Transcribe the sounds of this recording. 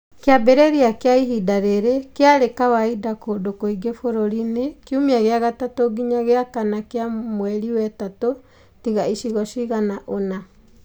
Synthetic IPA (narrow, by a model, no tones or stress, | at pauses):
keabɛɾɛɾiakeaiɦidaɾeɾekeaɾekawaidakodokoiɡefoɾoɾinekjumiaɣeaɣatatoɡiɲaɣeakanakeamwɛɾiwɛtato | tiɣaiʃiɣɔʃiɣanaʔona